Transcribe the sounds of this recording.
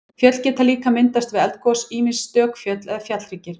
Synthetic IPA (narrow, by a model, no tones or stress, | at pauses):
fjœt̪l̥cɛːt̪aliːkamɪnt̪ast̪vɪðɛlt̪̚kɔsiːmisːt̪œːkfjœt̪lɛfjat̪lɾiːcɪɾ̥